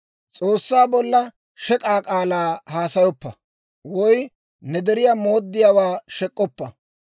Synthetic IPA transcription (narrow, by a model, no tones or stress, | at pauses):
t͡sʼoːsːaːbɔlːɐ | ʃɛkʼaːkʼaːlaːhaːsɐjɔpːɐ | wɔj | nɛd̪ɛɾɪjamoːd̪ːɪjawaːʃɛkʼːɔpːɐ